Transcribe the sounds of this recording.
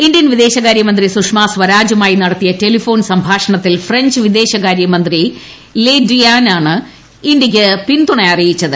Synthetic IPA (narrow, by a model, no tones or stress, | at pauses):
indjɐnʋid̪e̞ːɕɐɣaːɾjɐmɐnd̪risukʂmaːsʋɐɾaːd͡ʑumaːjinɐɽɐt̪ːijɐte̞lifo̞ːnsɐmbʱaːʂɐɳɐt̪ːilfreɲd͡ʑʋid̪e̞ːɕɐɣaːɾjɐmɐnd̪ri | ledrijaːnaːɳɨ | indiɣʲɨpint̪uɳɐjɐrijit͡ɕːɐðɨ